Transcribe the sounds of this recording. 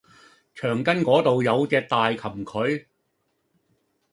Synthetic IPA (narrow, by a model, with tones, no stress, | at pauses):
t͡ʃʰœː˨˩ŋkɐ˥nkɔː˨˥t̪o˨wjɐ˨˧wt͡sɛː˧t̪aː˨jkʰɐ˨˩mkʰɵ˨˧˥ɥ